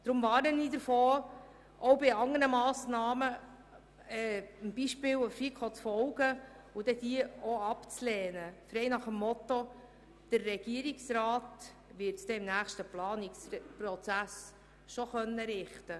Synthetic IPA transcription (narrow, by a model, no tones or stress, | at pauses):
d̪̥ɾʊmvɑːɾnəniːd̪əɾfoː | ʔɔwbɪɑŋəɾnəmɑːsnɑːmə | ɛːəmb̥iʃpɪːwəfikʰot͡sfɔwɡ̥ə | ʊd̥̪ɛd̥̪iəoɑpt͡slɛːnəfɾɛɪnɑχəmːɔt̪ːo | d̪̥ərːɛɡ̥iəɾiksɾɑːt | ʋɪɾtsd̥ɛɪmnæːχʃtəplɑːnɪkspɾɔt͡sæs | ʃɔχœnːəɾɪχtə